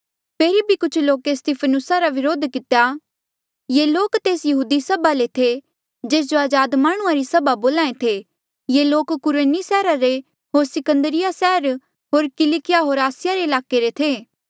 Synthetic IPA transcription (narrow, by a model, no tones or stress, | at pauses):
pʰeːɾibʱikʊt͡ʃʰloːkest̪iːpʰənʊsaɾaʋɪɾoːd̪kɪt̪ja | jeːloːkt̪eːsjɐɦuːd̪isɐbalet̪ʰe | d͡ʒeːs̬d͡ʒoaːd͡ʒaːd̪maːɽ̃ʊ̃ãɾisɐbaboːlaːẽt̪ʰe | jeloːkːʊɾeːnisɛːɾaɾe | ɦoːɾsɪkə̃nd̪əɾɪjasɛːɾ | ɦoːɾkɪlikɪjaɦoːɾaːsɪjaɾeɪlaːkeɾet̪ʰeː